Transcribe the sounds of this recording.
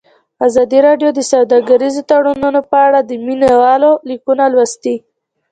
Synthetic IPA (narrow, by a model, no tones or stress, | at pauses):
azɑd̪iɾɑɖjod̪əsawd̪ɑɡaɾizot̪aɽununopəaɽad̪əminawɑlolikunalwast̪i